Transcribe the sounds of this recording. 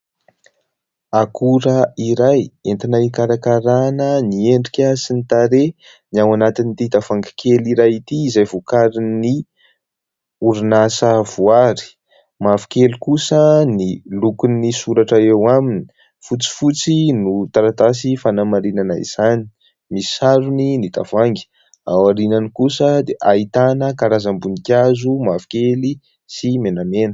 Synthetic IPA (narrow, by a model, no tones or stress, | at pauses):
akʰuɾəiɾajent̪inaikaɾakaɾanənieɳɖ͡ʐikʲasinit̪aɾe | niawanat̪init̪it̪afaŋɡḁkeliɾajit̪iːzajvukaɾini | uɾinasəvuaɾi̥ | mavi̥kelukusənilukunisuɾaʈ͡ʂaewamini̥ | fut͡si̥fut͡sinut̪aɾat̪as̬ifanamaɾinanaḭz̥ani̥ | mii̥saɾuninit̪av̥aŋɡi̥ | awaɾinanikusəd̪eʔait̪anəkaɾazambunikʲazumavi̥kʲeli | simenamenə̥